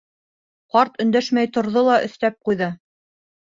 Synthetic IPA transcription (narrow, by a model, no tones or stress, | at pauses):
qɑɾt̪ɵ̆nd̪æʃmæjt̪ŏɾðolˠɑʔɵ̆θt̪æp̚qujðɤ